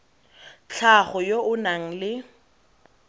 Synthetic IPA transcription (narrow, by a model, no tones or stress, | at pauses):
t͡ɬʰaχɔjoʊnaŋ̩lɪ